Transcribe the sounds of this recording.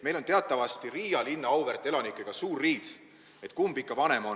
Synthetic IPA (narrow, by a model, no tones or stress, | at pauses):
me̞jlo̞nt̪e̞ɑt̪ːˑɑvɑst̪iɾiːjɑlinːɑɑwvert̪ːˑe̞lɑnikːˑeɡ̥ɑsuːrriːd̪̥ | e̞t̪ˑkumbikːˑɑvɑne̞mo̞